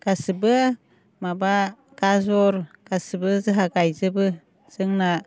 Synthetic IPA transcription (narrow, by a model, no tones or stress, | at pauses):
kasɯbɯ | maba | kazɔɾkasɯbɯzɯɦaɡajzɯbɯ | z̥ɯŋna